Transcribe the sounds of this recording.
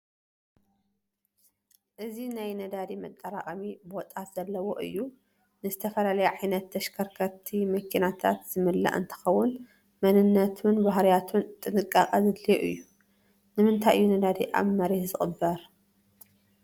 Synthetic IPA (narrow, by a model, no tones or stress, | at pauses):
ʔɨzinajnɐd̪ad̪imɐt̪ʼːɐɾakʼɐmibɨɔt̪ʼat̪z̥ɐlːɐwo̞ʔɨ̰jːu | nɨzɨt̪ʰɐfɐlalɐjuʕajnɐt̪ʰːɐʃkʰɐɾkʰɐt̪ʰimɐkʰinat̪ʰat̪z̥ɨmɨlːa̰ʔɨ̰nt̪ʰɐ̥xɐwːʊn | mɐnɨnːɐt̪ʰunbaɦɾijat̪ʰunt̪ʼɨnɨkʼːakʼɐzɨd̪lijeʔɨ̰jːu | nɨmɨnt̪ʰajɨːunɐd̪ad̪ḭʔa̰βmɐɾihzɨxʼɨbːɐɾ